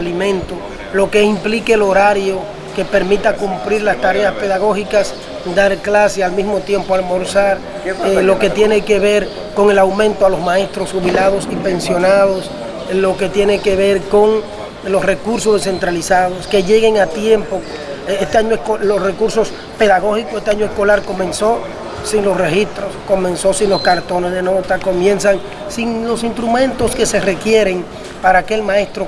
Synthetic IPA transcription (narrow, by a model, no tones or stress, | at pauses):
limẽ̞nt̪o | lo̞keimplikelo̞ɾaɾjo | ke̞pe̞ɾmit̪akumpɾiɾlast̪aɾe̞aspe̞ðaɣo̞hikas | d̪aɾklasealmismo̞t̪je̞mpoalmo̞ɾsaɾ | lo̞ke̞t̪je̞ne̞ke̞βeɾ | ko̞ŋe̞lawmẽnt̪oalo̞smãe̞st̪ɾosxuβilað̞o̞sipe̞nsjo̞nað̞os | lo̞ke̞t̪je̞ne̞ke̞βe̞ɾko̞ŋ | lo̞sre̞kuɾsozðese̞nt̪ɾalisaðoske̞ʝe̞ɣe̞ŋat̪je̞mpo | est̪eaɲoeskolosre̞kuɾso̞s | pe̞ðaɣo̞xikoest̪eaɲoesko̞laɾko̞mẽ̞nso̞ | siŋlo̞sre̞xist̪ɾosko̞mẽ̞nso̞sinlo̞skaɾt̪o̞nezðe̞no̞t̪ako̞mje̞nsaŋ | siŋlo̞sinst̪ɾumẽ̞nt̪o̞ske̞se̞re̞kje̞ɾe̞ŋ | paɾaːke̞lmãe̞st̪ɾo